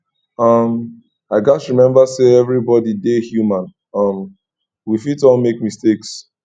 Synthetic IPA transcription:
ʌm | aɪɡasɹimɛ̃mbaseɛvɹibɔdidehjumãn | ʌm | wifitɔ̃nmekmisteks

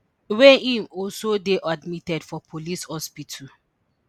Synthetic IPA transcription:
wɛ̃nĩmɔlsodeʔadmitɛdfɔpʰolishɔspitʰa

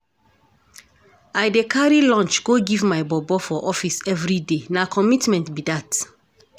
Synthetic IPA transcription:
ajdekʰaɹilɔ̃nt͡ʃɡ̥oɡivmaɪbɔbɔfɔʔɔfisɛvɹidenakʰɔmitmɛ̃ntbidat

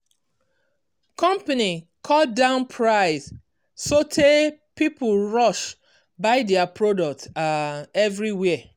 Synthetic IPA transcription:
kɔ̃mpani | kʰɔt̚dãʊ̃npʰɹaɪz̥ | sotʰepiplɹɔʃ | baɪdɛapʰɹodɔk̚taɛvɹiwɛ

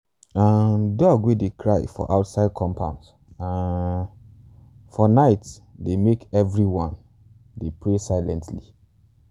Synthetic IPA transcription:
ãdɔɡwedekʰɹaɪfɔ̰ʔaʊtsaɪd̚kʰɔ̃mpʰã̰ʊ̃ns | ã | fɔnaɪt | demekɛvɹiwɔ̃n | depɹesaɪlɛ̃ntli

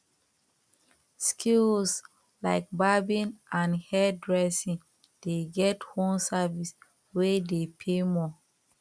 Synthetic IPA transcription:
skʰils | laɪk̚babĩnãnhɛdɹɛsĩn | d̥eɡɛthõmsavis | wedepʰemɔ

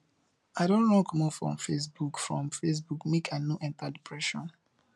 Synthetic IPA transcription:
aɪɾõnɹɔ̃kmɔfɹɔ̰̃mfes̬bukfɹɔ̃mfes̬bukmekʰanjuʔɛ̃ntadipʰɹɛʃɔ̰̃n

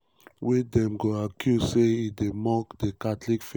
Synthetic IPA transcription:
wedɛ̃mɡoakʰjuzseidemɔkdekatlikfe

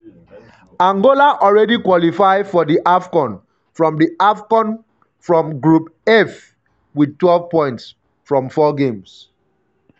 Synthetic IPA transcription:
ãŋɡolaʔɔlɹɛdikwɔlifaɪfɔdiʔafkɔ̃n | fɹɔ̃mdiafkɔ̃n | fɹɔ̃mɡɹupɛf | wid̚twɛlvpɔ̃ɪ̃nts | fɹɔ̃mfɔɡẽms

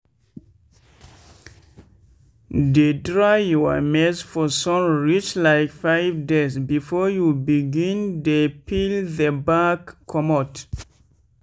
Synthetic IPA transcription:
dedɹajɔa̰mɛsfɔsɔ̃mɹit͡ʃlaɪkfaɪvdezbifɔjubiɡĩndepilðəbakʰːɔmɔt

